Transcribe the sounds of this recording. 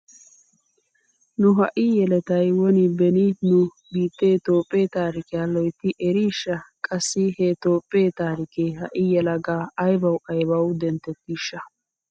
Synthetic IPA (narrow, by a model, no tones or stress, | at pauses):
nʊɦɐ̰ʔijɛlɛt̪ɐjwɔnɪbɛninʊ | biːt̪ːeːt̪oːpʼːeːt̪aːɾɪkɪjaːlɔjt̪ːɪʔɛɾiːʃːɐkʼɐsːɪhet̪oːpʼːeːt̪aːɾɪkeːɦɐʔɪjɛlɐɡaːɐjbɐwɐjbɐwd̪ɛnt̪ːɛt̪ːiːʃːɐ